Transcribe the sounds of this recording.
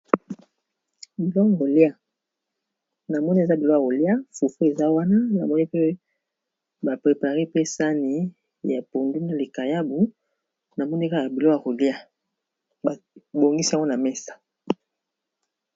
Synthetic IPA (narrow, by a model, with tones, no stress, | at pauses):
bi˨lo˦a˨ko˨li˦a˦˨ | na˨mɔ˦ni˦e˨za˦bi˨lo˦ja˨ko˨li˦a˦fu˨fu˦e˨za˦wa˦na˦na˨mɔ˦ni˦pe˦ | ba˨pʁe˨pa˨ʁe˦pe˦sa˦ni˨ | ja˨po˨nde˦na˨le˨ka˨ja˦bu˨ | na˨mɔ˦ni˦˨ka˦˨a˨bi˨lo˦ja˨ko˨li˦a˦ | ba˨bo˨ŋɡi˦si˦a˦ŋɡo˦na˨me˦sḁ˨